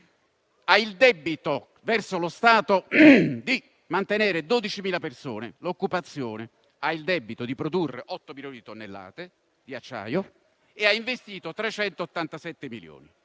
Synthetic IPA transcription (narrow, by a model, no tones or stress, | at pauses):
aild̪ɛbːit̪o | vɛrsolost̪aːt̪od̪i | mant̪enɛːɾed̪od̪it͡ʃimiːlaperso̰ːnḛlokːupat̪sːjoːne | aild̪ɛbit̪od̪ipɾod̪urːeʔɔt̪ːomiloːnid̪it̪onːelːa̰ːt̪e | d̪iat͡ʃːa̰ːjo | eaiɱvest̪iːt̪ot̪ɾet͡ʃɛnt̪oːt̪ːant̪asɛt̪ːemiljo̰ːni